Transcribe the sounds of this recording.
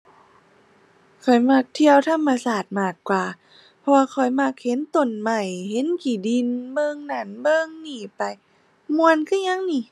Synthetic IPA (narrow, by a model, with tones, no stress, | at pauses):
kʰɔ˨˩jma˧˩k̚t̪ʰi˧əwt̪ʰa˧˥˨mːa˧saː˨˩t̪̚maː˧˩kkːwaː˨˩ | pʰɔ˧waː˧kʰɔ˨˩jma˧˩k̚he˧˦nt̪o˨˩nma˧˩jhe˧˦nkiː˨˩di˧nbɤː˧˨ŋna˧˩nbɤː˧˨ŋniː˧˩pa˧j | mu˧ə˨nkʰɯ˧˥˨ɲa˧˥˨ŋniː˧˩